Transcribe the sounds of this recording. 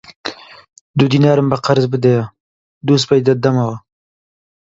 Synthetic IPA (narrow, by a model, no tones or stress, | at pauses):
d̪ud̪inɑːɾəmbaqaɾzbəd̪aja | d̪us̬pajd̪ad̪amawa